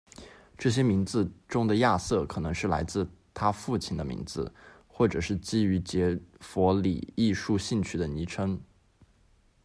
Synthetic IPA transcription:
ʈ͡ʂɤ˥˩ɕ̬jɛ˥mi˧˥ŋd͡zɹ̩˧ʈ͡ʂʊ˥ŋd̪ə˨ja˥˧sɤ˥˩kʰɤ˨˩nɤ˧˥ŋʂɻ̩˥˩la̰˧˥ɪt͡sɹ̩˥˩t̪ʰa˥fu˥˩t͡ɕʰi˥˩nd̪ə˧mḭ˧˥ŋd͡zɹ̩˧ | xwɔ˥˩ʈ͡ʂɤ˨˩ʂɻ̩˥˩t͡ɕi˥y˧˥t͡ɕjɛ˧˥fwɔ˧˥lḭ˨˩i˥˧ʂu˥˧ɕi˥˧nt͡ɕʰy˥˩d̪ə˩ni˧˥ʈ͡ʂʰə˥ŋ

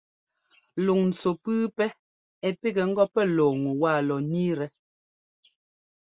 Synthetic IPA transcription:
lu˨ŋn̩˨t͡so˨pɨ˦pɛ˦ | ɛ˨pi˦ɡɛ˨ŋ̩˦ɡɔ˦pɛ˦lɔː˨ŋu˨waː˦˨lɔ˨niː˦ɾɛ˦

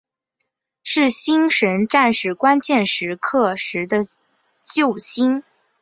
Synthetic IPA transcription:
ʂɻ̩˥˩ɕi˥ŋʂə˧˥nʈ͡ʂa˥˩nʂɻ̩˥˩kwa˥nt͡ɕjɛ˥˩nʂɻ̩˧˥kʰɤ˥˩ʂɻ̩˧˥d̪ə˧ | t͡ɕjo˥˩ʊɕi˥n

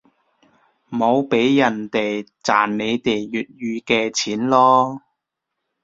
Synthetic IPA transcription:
mo˨˧wpe˨˥jːɐ˨˩nt̪e˨jt͡saː˨˩nne˨˧jt̪e˨˩jːyː˨t̚jyː˧kɛː˧t͡sʰiː˨˥nlɔː˥

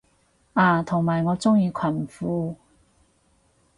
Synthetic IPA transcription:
ʔaː˨˧t̪ʰʊ˨˩ŋmaː˨˩jŋɔː˨˧t͡sʊ˥ŋjiː˧kʷʰɐ˨˩nm̩˨˩fuː˧

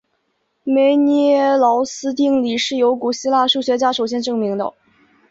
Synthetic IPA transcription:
me˧˥ɪnɛ˥˩lɑ˧˥ʊsɹ̩˥t̪̬i˥˩ŋli˨˩ʂɻ̩˥˩jo˧˥ʊku˨˩ɕi˥la˥˧ʂu˥˩ɕɥɛ˧˥t͡ɕja˥ʂo˨˩ʊɕ̬jɛ˥nʈ͡ʂɤ˥˩ŋmi˧˥ŋd̪ə̰˧

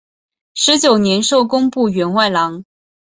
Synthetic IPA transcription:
ʂɻ̩˧˥t͡ɕjo˨˩ʊnjɛ˧˥nʂo˥˩ʊkʊ˥ŋpu˥˩ɥɛ˧˥nwa˥˩ɪlɑ˧˥ŋ

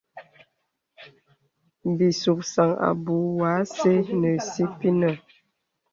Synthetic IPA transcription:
bi˨su˨k̚sa˨ŋa̰˨bu˨˦waː˨˦se˦nə˨si˦pi˦nə˨

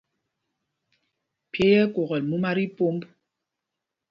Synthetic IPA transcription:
pje˦jɛ˦ko˨ɣɔ˨lmu˦ma˦ɾi˦po˦mb

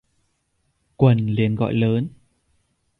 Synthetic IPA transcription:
kwə˨˩nli˨˩ənɣɔ̰˧˨jləː˨˦n

